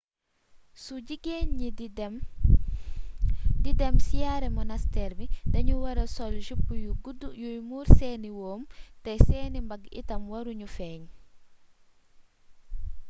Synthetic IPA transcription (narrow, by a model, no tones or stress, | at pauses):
suɟiɡeɲːim | didɛmsijaːɾɛmɔnɐstɛːɾbidɐɲuwɐɾɐsɔlʃup̚kujuɡdjujmuːɾsɛːniwɔːmtɐjsɛːnimbɐɡḭtɐmwɐɾuɲufɛːɲ